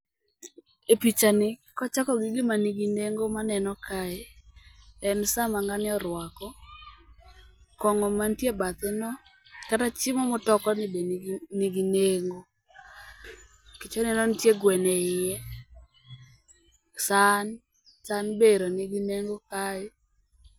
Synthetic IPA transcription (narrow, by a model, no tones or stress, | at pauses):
epit͡ʃanɪkɔt͡ʃakɔɡɪɡɪmaniɡineŋɡomanɛnɔkʰaɪ | ɛnsamaŋɡanɪɔɾwakɔ | kɔŋɔmantjebat̪ɪnɔkatat͡ʃɪmɔmɔtɔkɔnɪbennɪɡineŋɡo | kit͡ʃɔnɛnɔntjeɡwɛnɛɪjɛ | san | sanbeɾonɪɡineŋɡokaɪ